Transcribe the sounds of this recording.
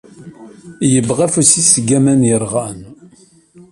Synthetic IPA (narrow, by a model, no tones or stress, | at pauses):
jəbʁæfusisɡæmænjəɾˤʁan